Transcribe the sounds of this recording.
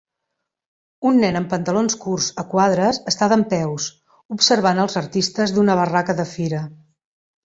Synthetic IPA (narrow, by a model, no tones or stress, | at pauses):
unːɛnəmpənt̪əlonskurzəkwað̞ɾəzəst̪aðəmpɛws | upsəɾβanəlˠzəɾt̪ist̪əzðunəβ̞ərakəðəfiɾə